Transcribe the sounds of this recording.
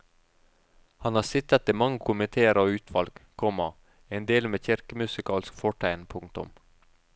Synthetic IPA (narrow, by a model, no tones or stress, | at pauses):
hɑnhɑːsɪt̪ət̪iːmɑŋːəkʰʊmɪt̪ʰeːəɾoːʉːt̪ʰʋɑlɡ̥kʰɔmɑ | eːnd̪eːlmeːçɪɾkəmʉsɪkʰɑːlskfɔʈʰæɪnpʰʊŋ̚t̪ʊ̰m